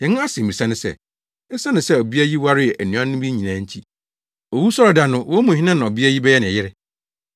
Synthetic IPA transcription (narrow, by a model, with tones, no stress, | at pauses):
jɛ̃˨˦nʊ̃˦a˦sɪ̃˨ĩ˨sã˦nʊ̃˦sɛ̰˦˨ | n̩˦sa˦nʊ̃˨sɛ˦o˨bi˦a˦ji˦wa˦ɾɪ˦ɛ˨ʔæ˨nũ˨˦ã˦nʊ̃˦bi˦ɲĩ˨nã˨˦ɲ̩˦t͡ɕʰi˦ | o˨wu˦sɔ˦ɾa˨da˨nʊ̃˦wɔ˦mũ˨hi˦nã˦nã˨o˨bi˦æ˦ji˦bɛ˦jɛ˦nɪ̃˨jɪ˦ɾɪ˦